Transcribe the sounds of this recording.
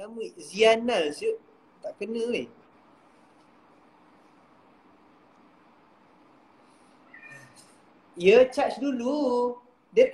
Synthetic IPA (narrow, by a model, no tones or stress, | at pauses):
amizianazə | t̪aʔkənə̃i | iət͡ʃat͡ʃdulu | diət̪